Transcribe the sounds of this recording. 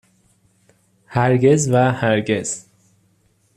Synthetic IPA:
hæɾɟe̞zvæhæɾɟe̞z̥

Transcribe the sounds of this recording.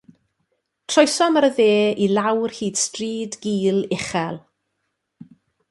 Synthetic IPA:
tʰrɔjsɔməɾəðeːilˠawrhiːd̥striːdɡiːlˠɪχɛlˠ

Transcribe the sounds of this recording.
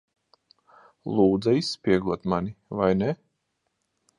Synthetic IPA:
lˠuːd̪zaisːpʲiɛɡˠuɔt̪manivajnɛ

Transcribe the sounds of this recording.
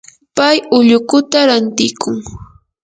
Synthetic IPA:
pajʊʎʊkʊt̪aɾant̪ɪkʊŋ

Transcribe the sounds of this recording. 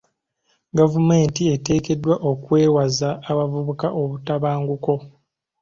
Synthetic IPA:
ɡavume̞ːntie̞te̞ːke̞dːwaʔokwe̞ːwazaːβavuβukaʔo̞βutaβaːŋɡuko̞

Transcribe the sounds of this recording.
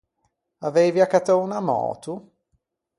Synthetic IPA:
aveːviakːat̪ounamɔ̰ːt̪u

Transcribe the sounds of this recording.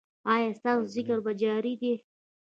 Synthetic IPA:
ɑjɑst̪ɑːsozɪkaɾbad͡ʒɑɾid̪e

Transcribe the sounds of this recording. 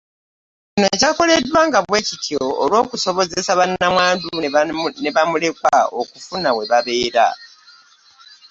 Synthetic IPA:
cino̞cako̞le̞dːwaːŋɡaβwe̞ːcitʰio̞ːlwo̞ːkuso̞βo̞ze̞saβanamwaːndune̞βamule̞kwa̰o̞̰kufunawe̞βaβe̞ːɾa̰

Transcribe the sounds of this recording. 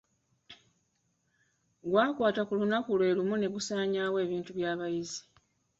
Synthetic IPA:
ɡwaːkwaːtakulunakulwe̞ːlumune̞ɡusaːɲaːwe̞ːβiːntuβjaːβajizi̥

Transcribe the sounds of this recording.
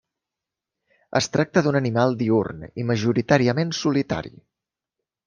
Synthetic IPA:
ə̰st̪ɾak̚t̪əðunənimalˠd̪iurniməʒuɾit̪aɾiəmensulit̪a̰ɾḭ

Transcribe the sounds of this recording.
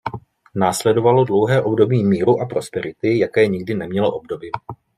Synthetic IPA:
naːslɛdo̞valodlo̞wɦɛːʔo̞bdo̞biːmiːɾuʔapɾo̞spɛɾɪt̪ɪjakɛːɲɪɡdɪnɛmɲɛloʔob̚do̞bɪ

